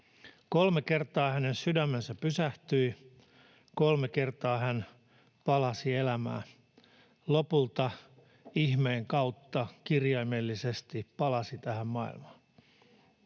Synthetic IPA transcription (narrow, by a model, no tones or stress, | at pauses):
kolmeke̞rt̪ɑːhæne̞nsydæmːensæppysæht̪yi | kolmeke̞rt̪ɑːhæn | pɑlɑsielæmæ̰ː | lopult̪ɑ | ihmeːŋkɑut̪ːɑkirjɑijmelːisest̪ipɑlɑsit̪æhæmmɑḭlmɑːn